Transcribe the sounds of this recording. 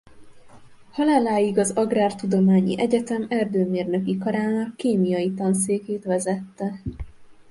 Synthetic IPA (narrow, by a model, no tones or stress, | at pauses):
hɒlaːlaːjiɡɒzɒɡraːrt̪ud̪o̞maːɲḭʔɛɟɛt̪ɛmɛrd̪øːmeːrnø̞kikɒɾaːnɒkːeːmijɒjit̪ɒns̬eːkeːt̪ʋɛzɛt̪ːɛ